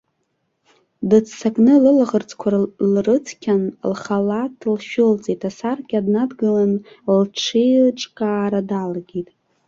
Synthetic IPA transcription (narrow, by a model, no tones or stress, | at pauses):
dɨt͡sʰsakʼnɨlɨlaʁərt͡sʰʼkʷʰarlrɨt͡sʰkʲʰanlχalatʼʰlʃᶣʊlt͡sʼetʼasarkʲʼadnadɡɨlan | lʈ͡ʂʰelʈ͡ʂʼkʼaːɾadalaɡʲitʼ